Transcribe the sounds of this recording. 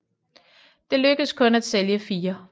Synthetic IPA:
d̥e̝løɡ̥əskʰɔ̽næd̥seljəfiːɐ

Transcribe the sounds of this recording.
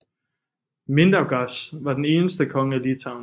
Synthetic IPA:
mend̥ɐɡ̥ɑsʋɑ̈d̥ene̝ːnəsd̥əkʰɒ̽ŋəælit͡sʰɑ̈ʊn

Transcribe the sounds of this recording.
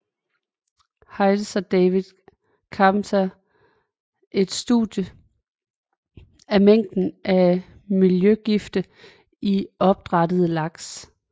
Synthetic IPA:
hɑ̈ɪl̥sɒd̥ɛɪʋiðˠ | kʰɑ̈mt͡sʰæ | ʔe̝d̥sd̥udjə | æmeŋ̰d̥n̩ʔæ | miljøɡ̥ifd̥ə | iɒ̽b̥̚d̥ʁɑ̈dəð̞̩ˠəlɑ̈ɡ̥s

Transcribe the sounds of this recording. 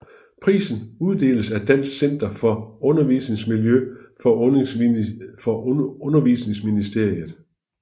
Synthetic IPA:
pʰʁḭːsn̩uð̞ˠd̥e̝̰ːləsæd̥æn̰sɡ̥sen̰d̥ɐfɒ̽ɔ̽nɐʋisne̝ŋsmiljøfɒ̽ɔ | fɒ̽ɔ̽nɐʋiːsne̝ŋsminisd̥e̝ɐ̰ið̩ˠ

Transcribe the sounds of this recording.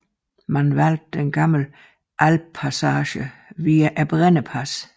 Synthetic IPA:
mænʋæl̰d̥̚d̥enɡ̥ɑml̩ | ʔælb̥̚pʰːæsɑːɕəʋiːæʔæb̥ʁenəpʰæs

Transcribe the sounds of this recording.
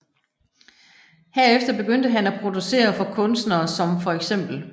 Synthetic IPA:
hæɐefd̥ɐb̥e̝ɡ̥øn̰d̥əɦænæpʰʁo̝d̥use̝̰ːɐfɒ̽kʰɔ̽nsd̥nɐːsɒ̽mfɒ̽eɡ̥sem̰b̥l̩

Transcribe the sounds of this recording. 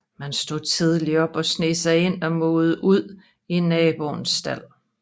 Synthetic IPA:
mænsd̥o̝ð̰ˠt͡sʰið̞ˠliɒ̽b̥ɒ̽sne̝ːsɑ̈ɪe̝n̰ɒ̽mɔːð̞̩ˠəʔuð̞̰ˠ | ienːɛːb̥o̝nsːd̥æl̰

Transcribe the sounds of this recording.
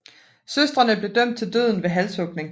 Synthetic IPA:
søsd̥ʁɐnəb̥le̝d̥œm̰d̥̚t͡sʰe̝ld̥øð̞̰ˠn̩ʋe̝ɦælsɔ̽ɡ̥ne̝ŋ

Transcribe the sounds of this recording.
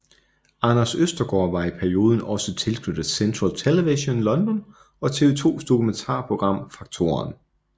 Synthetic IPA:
ɑ̈nɐsøsd̥ɐɡ̥ɒːʋɑ̈ipʰæɐio̝ːð̞ˠn̩ɒ̽sət͡sʰe̝lsɡ̥nud̥sent͡sʰʁɐlt͡sʰeleʋiɕo̝nlɒ̽nd̥ɒ̽n | ɒ̽t͡sʰe̝ʋe̝t͡sʰo̝̰ːsd̥o̝kʰument͡sʰɑ̰̈ːpʰʁo̝ɡ̥ʁɑ̈m̰fɑ̈ɡ̥̚t͡sʰo̝̰ːɐn

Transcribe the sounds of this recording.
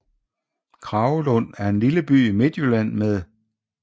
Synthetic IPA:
kʰʁɑ̈ːʊlɔ̽n̰æɐe̝nliləb̥y̰ːime̝d̥jølæn̰meðˠ

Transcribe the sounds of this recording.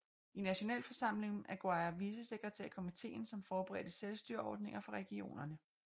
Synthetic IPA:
inæɕo̝nɛ̰ːlfɒ̽sɑ̈m̰le̝ŋæɡ̥oɑ̈ɪɐʋiːsəse̝ɡ̥ʁɛt͡sʰæɐkʰomit͡sʰe̝̰ːn̩sɒ̽mfɒːb̥əʁɛ̰ːd̥əselsd̥yɐɒ̰ːd̥ne̝ŋɐfɒʁɛɡ̥io̝̰ːnɐnə

